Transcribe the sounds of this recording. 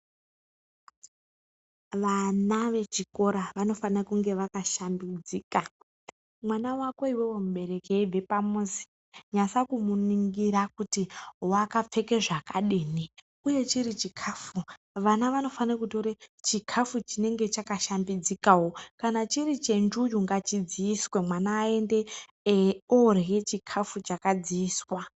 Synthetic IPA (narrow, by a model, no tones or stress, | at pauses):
ʋanaʋe̞t͡ʃiko̞ɾaʋano̞fanakuŋɡe̞ʋakaʃambid͡ziːka | mwanawako̞iwewomuɓe̞ɾe̞kevʱe̞pamuzi̥ | ɲasakumuniŋɡiɾakutiwakap͡fe̞ke̞ʐakaɗiːni | uje̞t͡ʃirit͡ʃikʰaːfu | ʋanaʋano̞faniakutoɾet͡ʃikʰafut͡ʃine̞ŋɡe̞t͡ʃakaʃambid͡zikaɦwokanat͡ʃiɾit͡ʃe̞nd͡ʒujuŋɡat͡ʃid͡ziiswe̞mwanaːe̞nde̞ | orjet͡ʃikʰafut͡ʃakad͡ziiːswa